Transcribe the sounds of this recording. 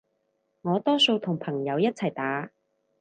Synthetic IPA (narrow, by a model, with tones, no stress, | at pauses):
ŋɔː˨˧t̪ɔː˥so˧wt̪ʰʊ˨˩ŋpʰɐ˨˩ŋjɐ˨˧wjɐ˥t̚t͡sʰɐ˨˩jt̪aː˨˥